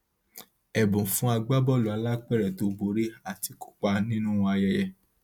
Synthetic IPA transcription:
ɛ˨bũ˨fũ˨˦a˧ɡ͡ba˦bɔ˦˨lu˨a˨˧la˦k͡pɛ˦˨ɾɛ˨to˨˦bo˨˦ɾi˦a˦˨ti˧ku̥˦k͡pa˧nĩ˦nũ˦˧a˧jɛ˧jɛ˧

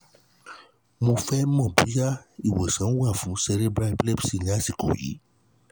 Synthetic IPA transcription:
mõ˧fɛ˦mɔ̃˦˨bu˨˦ja˦i˦˨we˨sã˨˦wa˦˨fũ˨˦sɛ˧ɾe˦bɾa˧˦blɛ˦˨bsi˦˨ɲ˦a˦˨si˨ko̰˨jḭ˨˦

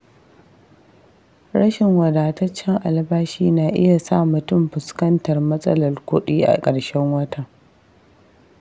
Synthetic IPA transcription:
ɾɐ˦ʃɪ˨ŋwɐ˨daː˨tɐ˦t͡ʃːɛ˦ŋʔa˨lbaː˦ʃiː˦naː˨ʔɪ̰˦ja˨sa̰˦˨mʊ˨tʊ˦mɸɪ˨skɐ˦ntɐ˨rmɐ˦sʼɐ̰˦lɐ˨rkʷʊ˦ɗiː˦ʔa̰˨kʼɐ˨ɽʃɛ˦ŋwɐ˦tʰa˨

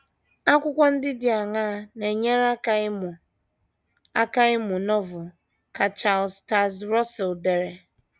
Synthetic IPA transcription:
a˦kʷʊ˦kʷa˦n̩˦dɪ˦dɪ˨a˨ŋa˦ne˨ɲe˦ɾa˦ka˨˦m˨ | a˦ka˦ɪ˦mʊ˨nɔ˦vʊ˨ | ka˨t͡ʃa˨lsta˦zɾɔ˦sɛ˨lde˨ɾe˨

